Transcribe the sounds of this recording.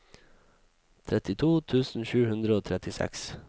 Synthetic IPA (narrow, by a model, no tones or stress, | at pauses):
t̪ʰɾɛt̪ɪt̪ʰuːt̪ʰʉːsn̩ʃʉːhʉnd̪ɾəoːt̪ʰɾɛt̪ɪsɛ̰ks